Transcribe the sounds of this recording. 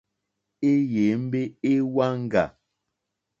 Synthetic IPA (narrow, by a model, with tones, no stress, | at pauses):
e˦je˨˦m̩˦be˦e˦wa˦ŋ̩˦ɡa˨